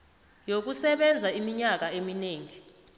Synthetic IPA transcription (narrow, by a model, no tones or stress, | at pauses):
jok̬usɛɓɛnd͡zʱaimiɲak̬aemineːŋi